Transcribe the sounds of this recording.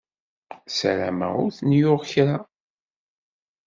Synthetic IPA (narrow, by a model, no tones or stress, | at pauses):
sæ̰ɾæmæ̰ʊɾθnjʊʁçɾa